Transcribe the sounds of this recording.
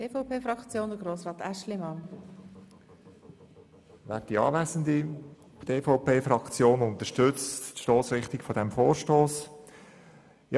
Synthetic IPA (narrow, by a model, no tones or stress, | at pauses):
eːfɔʊpʰeːfɾɑkt͡sjoːnd̪əɡɾoːsʁɑːt̪æʃlimɑn | væːɾt̚d̥iɑ̰ːvæzən̩d̪i | d̥eːfɔʊpeːfɾɑkt͡sjoːnʊnt̪əʃtʏt͡sttʃtoːsɾɪχt̪ɪkfɔdɛmfoːɾʃtoːs | jɑ